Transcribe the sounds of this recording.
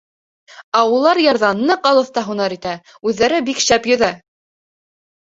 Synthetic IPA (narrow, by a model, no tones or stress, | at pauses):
æulˠɑɾjɑɾðɑnːɤqɑlˠɤ̆θt̪ɑɦunɑɾit̪æ | ʉðːæɾɘbikʃæpjŏðæ